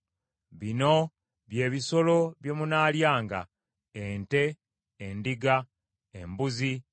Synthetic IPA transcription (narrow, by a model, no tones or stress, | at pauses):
βino̞ | βje̞ːβiso̞lo̞βjo̞munaːljaːŋɡa̰ | ente̞ː | ndiɡa | ḛmbuzi